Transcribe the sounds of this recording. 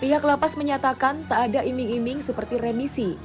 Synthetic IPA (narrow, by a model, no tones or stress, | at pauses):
piɦaklapasməɲat̪akant̪aadaʔimɪŋimɪŋsəpərt̪iremisi